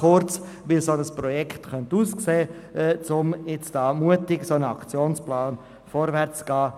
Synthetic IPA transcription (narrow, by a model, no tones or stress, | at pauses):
χʊɾt͡s | ʋɪsonəspɾɔjɛkχtχœntuːskseːɛt͡sʊmjɪt͡stɑːmuətɪɡsonəɑkt͡sjoːnsplɑːn | fɔɾvɛɾt͡sɡ̥ɑː